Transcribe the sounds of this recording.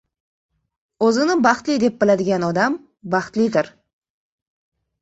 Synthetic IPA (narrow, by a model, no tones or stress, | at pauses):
ɵzɪnɪbɑχt̪lid̪e̞p̚bɪlad̪ɪɡʲanɒd̪am | bɑχt̪lid̪ɪɾ